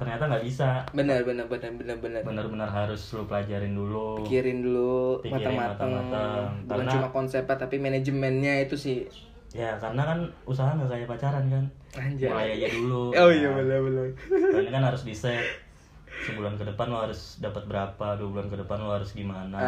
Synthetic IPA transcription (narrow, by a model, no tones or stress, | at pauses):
t̪ərɲat̪aŋɡaʔbisabənərbənərbənərbənərbənərbənərbənərɦaɾʊslupəlad͡ʒaɾɪndulupikiɾɪndulupikmaaŋmaat̪aŋat̪əŋbulaŋt͡ʃumakɔnsɛpat̪apimened͡ʒəmɛnɲait̪usɪh | jakaɾənakanusaɦanakajapat͡ʃaɾankan | aɲd͡ʒaalajajaduluojabənərbələknakanhaɾʊsbisɛ | səbulankədəpanlohaɾʊsdapət̪̚bəɾapaduabulankədəpanlohaɾʊsɡimana